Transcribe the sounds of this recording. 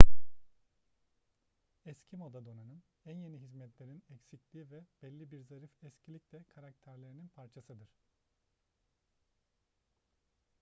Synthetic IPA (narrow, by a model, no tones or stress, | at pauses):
ɛscʰimod̪ad̪o̞nanɯn | ænje̞niɦizmɛt̪lʲe̞ɾinɛcsiclʲiːivɛb̥ɛlʲːibiɾzaɾifɛscʰilʲicʲlʲɛkʰaɾak̚t̪ʰæɾlʲeɾininpʰaɾt͡ʃʰasɯd̪ɯɾ̝̥